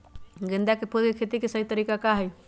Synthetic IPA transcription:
ɡɪ̃nd̪akepʰulkekʰet̪ikesəɦit̪əɾiːkakaɦɛj

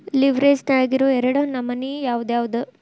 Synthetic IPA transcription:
liʋɾeːsnaɭɡiɾoɛɾɐɽɐnɐmɐnijaːʋud̪jaːʋud̪u

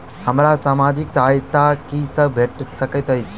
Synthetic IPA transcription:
həmɾasaːmad͡ʒɪksaːjt̪akisəbʱeʈsəkət̪ɦəjt͡ʃʰ

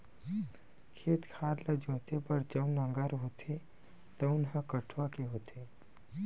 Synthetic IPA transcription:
kʰeːt̪kʰaːɾləd͡ʒõːt̪epəɾd͡ʒəʊnə̃ŋɡəɾɦoːt̪ʰe | t̪ɔʊnɦə̃kəʈʰʋakeɦoːt̪ʰe

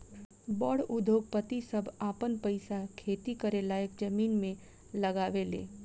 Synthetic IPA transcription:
bɔːɽʊd̪ʱjoːɡ̚pət̪isəbʱaːpənpəɪsakʰeːt̪ikəɾelaːjəkd͡ʒəmiːnmẽ | lɐɡaːʋelḛː

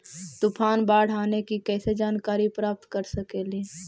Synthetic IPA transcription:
t̪ʊpʰaːnbaːɽ̤aːnekikɛːsed͡ʒaːnkaːɾipɾaːp̚t̪kəɾsəkeleː

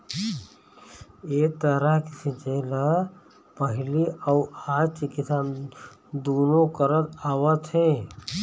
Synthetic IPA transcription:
et̪əɾəɦkisĩt͡ʃela | pəɦɪliʔawaːt͡ʃkesaːmd̪oːnõkəɾət̪aːwət̪ɦẽ

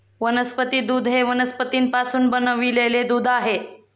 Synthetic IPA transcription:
ʋənəspət̪iːd̪uːd̪ʱɦeʋənəspət̪iːnpasuːnbənəʋileled̪uːd̪ʱaɦe

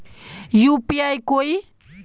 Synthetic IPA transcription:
jupiajkoj

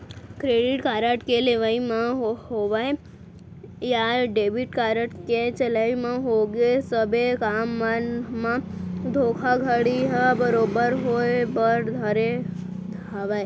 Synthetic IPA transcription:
kɾeːɖɪʈkaːɾəʈkeleʋaimãɦɦoʋae | jaɖeːbɪʈkaːɾəʈket͡ʃəlaimãɦoɡesəbʱekaːmːənmãd̪ʱoːkʰaɡʱəɽiɦɛbəɾoːbəɾɦoebəɾd̪ʱəɾe | aːʋae

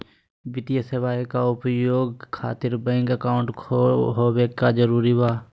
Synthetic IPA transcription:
ʋɪt̪ijəseʋaːjkaʊpjoːɡ̚kʰa̰ːt̪ɪɾbɛ̃ŋkəkaːʊ̃ɳʈɦoːbekad͡ʒəɾuːɾibaː

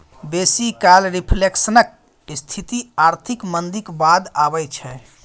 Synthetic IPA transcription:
besikalɾipʰleksənək̚ | st̪ʰit̪iaɾt̪ʰikmənd̪ikbad̪abɛt͡ʃʰɛ

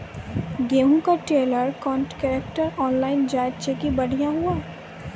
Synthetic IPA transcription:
ɡeːɦũkaʈeːləɾkɔːɳʈkɛːɾek̚ʈəɾɔːnlaːɪnd͡ʒaːɪt̪t͡ʃekibɐɽ̤ijaɦuaː

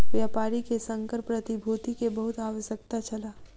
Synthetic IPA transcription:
ʋjaːpaːɾikesɐ̃ŋkəɾpɾɐt̪ibʱoːt̪ikebɐɦʊt̪aːʋəʃjəkt̪at͡ʃɐlaː

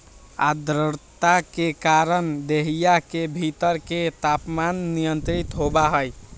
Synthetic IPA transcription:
a̰d̪ɾəɾt̪akekaɾənd̪eɦijakebʱit̪əɾket̪apmanːijənt̪ɾit̪ɦobaɦəj

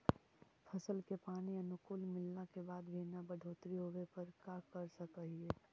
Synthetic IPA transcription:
pʰɐsəlkepaːniɐnʊkʊːlmɪlnakebaːd̪bʱinabɐɖʱoːt̪ɾiɦoːʋepɐɾkakɐɾsɐkəɦiɛː

